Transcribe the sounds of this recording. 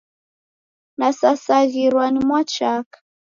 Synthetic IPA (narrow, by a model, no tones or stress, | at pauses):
nasasaɣiɾwanimwat͡ʃakḁ